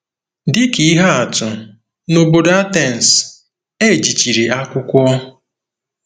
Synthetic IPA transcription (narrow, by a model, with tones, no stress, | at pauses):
dɪ˦ki˨˦ɦa˦a˨tʊ˨ | no˨bo˨da˦tɛ˨n̩˨s | e˦˨d͡ʒi˨t͡ʃi˨ɾe˨a˦kʷʊ˦kʷʊ˦ɔ˦